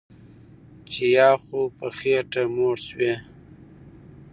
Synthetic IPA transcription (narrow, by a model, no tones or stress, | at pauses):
t͡ʃejɑːxopəxeʈamoʈswe